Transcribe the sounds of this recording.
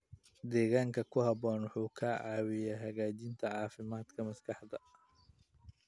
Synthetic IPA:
d̪ɛːɣaːŋkʰɐkʰʊhɐβɔːnwʊħuːkʰɐʕɑːwɪjaːɦɐɣaːt͡ʃɪnt̪ʰɐʕɑːfɪmaːd̪kʰɐmɐskʰɑħd̪ɐ

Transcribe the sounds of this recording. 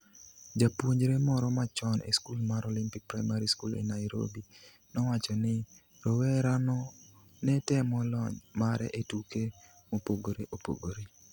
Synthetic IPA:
d͡ʒapwoɲd͡ʒɾemɔɾɔmat͡ʃɔnʔḛskulmaɾolimpik̚pɾajmaɾiskulḛnajɾo̰bi | nɔwat͡ʃɔnɪ | ɾowɛɾanɔ | nɛtɛmɔlɔɲmaɾɛ̰ʔetuke | mopoɡoɾeʔopo̰ɡoɾe

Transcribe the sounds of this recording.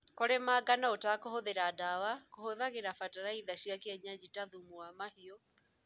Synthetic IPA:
koɾemaːɡanaotakohoðeɾadawakohoðaɣeɾafataɾaiðaɕjakeɛɲad͡ʑitaðumuamahiɔ

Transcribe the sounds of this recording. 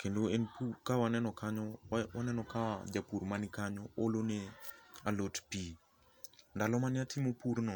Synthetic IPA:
kendoenpukawanɛnɔkaɲɔwanɛnɔkad͡ʒapuɾmanɪkaɲɔolonealotpi | ndalɔmanɪatʰɪmopuɾnɔ

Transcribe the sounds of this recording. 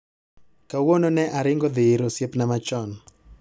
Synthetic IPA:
kawononɛʔaɾɪŋɡɔd̪ɪɾosjepnamat͡ʃɔn

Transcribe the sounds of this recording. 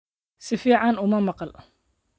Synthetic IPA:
sɪfiːʕɑnʊmɐmɑqɑl

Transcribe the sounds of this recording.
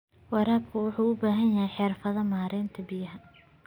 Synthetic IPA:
wɑɾaːb̚kʰʊwʊħuːʊbaːɦɐnjɐhɛjħɪrfɐðɐmaːɾɛːnt̪ʰɐbɪjɐɦɐ

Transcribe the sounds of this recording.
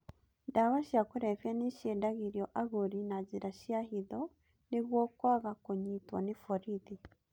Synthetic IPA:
daβaʃakuɾefjeniʃedaɣiɾjoʔaɣuɾinaziɾaʃiahiðo | niβwoːkwaːɣakoɲitwa̰nifoɾiði

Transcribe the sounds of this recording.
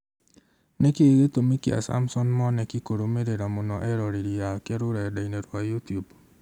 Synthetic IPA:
nekeeɣetomikia̰sa̰msɔnmɔnɛkikoɾomeɾeɾamonɔʔɛɾɔɾiɾijakeɾʊɾadaineɾwajutijub

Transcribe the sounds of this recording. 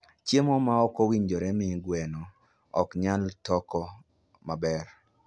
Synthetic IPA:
t͡ʃjemɔmaɔkɔwiɲd͡ʒoɾɛmɪɡwɛnɔ | ɔkɲaltɔkɔ | mabɛɾ

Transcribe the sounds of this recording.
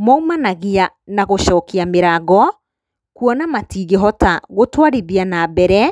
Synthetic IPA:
mɔumanaɣianaɣoʃɔːkiameɾaːɣɔ | kuɔnamatiːɣeɦɔtaɣotwaɾiðianabɛɾɛ

